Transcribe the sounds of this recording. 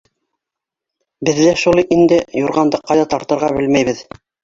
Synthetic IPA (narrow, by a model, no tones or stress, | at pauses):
bɘ̆ðːæʃulˠɤjʔind̪ɘjuɾʁɑnd̪ɤqːɑjðɑt̪ɑɾt̪ɤ̆ɾʁɑbɘlmæjβɘð